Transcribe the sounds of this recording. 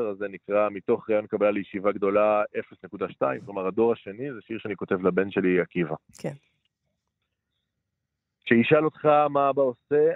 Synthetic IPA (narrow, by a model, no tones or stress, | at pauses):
eʁazenikʁamito̞χʁaːjo̞nkabalalejeʃivaɡd̪o̞lae̞fesnekud̪aʃtaimklomaʁad̪o̞ʁaʃe̞nizeʃiʁʃeaniko̞te̞vlabe̞nʃeliakivak | ʃeiʃalo̞t̪χamabaose̞